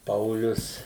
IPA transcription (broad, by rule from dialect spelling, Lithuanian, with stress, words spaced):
ˈpɐʊlʲʊs